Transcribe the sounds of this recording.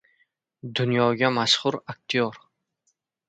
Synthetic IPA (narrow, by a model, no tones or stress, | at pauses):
d̪ʊnjɒɡʲamaʃχʊɾak̚ʲt̪ʰijɒɾ